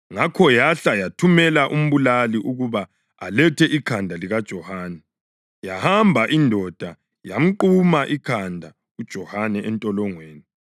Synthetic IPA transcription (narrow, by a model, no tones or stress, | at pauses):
ŋakʰɔjaɬajatʰumɛlaʔum̩βulaliʔuɣuβaː | lɛtʰɛʔikʰandʱaliɣad̥ʒ̥ʱɔhaːnɛ | jahambʱaʔindʱɔd̥ʱa | jam̩ǃumaʔikʰandʱa | ud̥ʒ̥ʱɔhanɛʔɛntʼɔlɔŋweːni